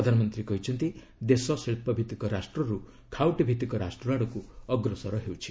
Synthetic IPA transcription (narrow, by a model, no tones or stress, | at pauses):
pɾɔd̪ʱanɔmɔnt̪ɾikɔɦit͡ʃʰɔnt̪i | d̪esɔsiɭpɔbʱit̪ikɔɾasʈɾɔɾu | kʰawʈbʱit̪ikɔɾasʈɾuɾaɽ̃ɔkuɔɡɾɔsɔɾɔɦewt͡ʃʰi̥